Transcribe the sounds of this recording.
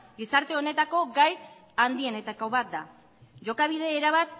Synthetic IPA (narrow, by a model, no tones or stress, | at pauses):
ɡisaɾt̪e̞o̞ne̞t̪ako̞ɡajt͡s | and̪ie̞ne̞t̪ako̞βat̪̚d̪a | ʝo̞kaβ̞ið̞e̞ːɾaβat̪